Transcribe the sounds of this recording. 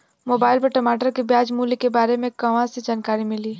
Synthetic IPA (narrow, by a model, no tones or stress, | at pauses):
moːbaːɪlpɐɾʈɐmaːʈəɾkebjaːd͡ʒmuːlikebaːɾemẽkɐʋãsed͡ʒaːnkaːɾimɪliː